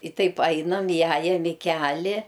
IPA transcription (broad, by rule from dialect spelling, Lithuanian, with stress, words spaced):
ɪ ˈtɐɪp ˈɐɪnɐm ɪˈjæːjɛm ɪ ˈkʲæːlʲɪ